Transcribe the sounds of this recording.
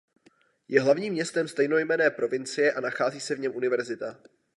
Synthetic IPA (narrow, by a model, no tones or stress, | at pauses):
jʔɛɦlavɲiːmːɲɛst̪ɛmst̪ɛjno̞jmɛnɛːpɾo̞vɪnt͡sɪjɛʔanaxaːziːsɛvɲɛmʔunɪvɛɾzɪt̪a